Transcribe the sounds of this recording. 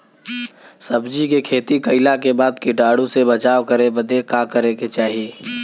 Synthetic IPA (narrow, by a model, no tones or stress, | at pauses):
səbd͡ʒikekʰeːt̪ikɐɪlakebaːd̪kiɖaːɽũsebət͡ʃaːwkəɾebəd̪ekakəɾeket͡ʃaːɦieː